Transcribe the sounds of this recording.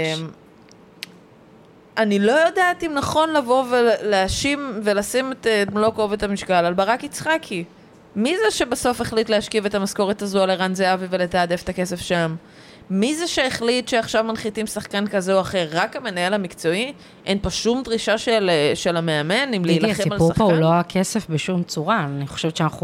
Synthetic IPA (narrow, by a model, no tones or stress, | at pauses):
em | anilo̞jodaːtimnaχo̞nlavo̞veleaʃimvelasimetemlo̞kovetamiʃkalalbaʁakit͡sχakʰi | mizeʃe̞baso̞feχlitleaʃkive̞tamasko̞ʁetazualeʁanzeavive̞letaːdefe̥take̞se̞fʃamː | izeʃeːχlitʃeaχʃavmanχitimsaχkankazeoaχeʁːakame̞nae̞lamikt͡so̞i | ʔenpoʃumdʁiʃaʃelʃelame̞ame̞nimleilaχeimalusapouloakʰesefbeʃumt͡suʁaniχo̥ʃevett͡ʃeanaχu